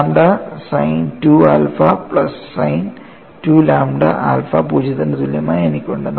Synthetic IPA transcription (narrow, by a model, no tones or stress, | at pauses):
amɖɐsɐjntua̰ːlfɐpɭɐsːɐjn | tuːlaːmɖɐ̰ʔa̰ːlfɐpuːd͡ʑit̪ːɐndt̪uljɐmaːjenikʲːuɳɖɨn